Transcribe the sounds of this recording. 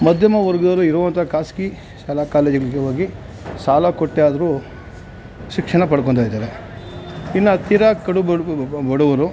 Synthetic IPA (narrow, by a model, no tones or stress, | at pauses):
mɐd̪ʱjɐmɐʋɐɾɡɐd̪ɐlːuiɾɔʋɐnt̪ʰɐkaːski | ʃaːlakaːleːd͡ʒiɡɐɭiɡeʋaːɡi | saːlakoʈːejaːd̪ɐɾu | ʃikʂɐɳɐp̬ɐɽk̬oɳt̪aːjd̪aːɾe | inːɐt̪iɾakɐɽubɐɽuʋɐɾu